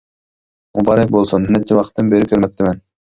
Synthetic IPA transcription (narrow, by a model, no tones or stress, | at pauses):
mubɑɾek̚bolˠsonenet̪ːiβɑqt̪ːɯnbeɾikʰøɾmøk̚t̪emen